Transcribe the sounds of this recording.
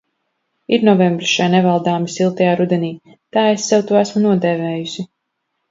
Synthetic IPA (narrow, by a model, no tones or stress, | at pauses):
iɾnɔvɛmbɾisʃajnɛvalˠd̪aːmisilˠt̪ajaːɾud̪ɛniː | t̪aːesːɛwt̪uɔæsmunuɔd̪ɛːvɛːjusi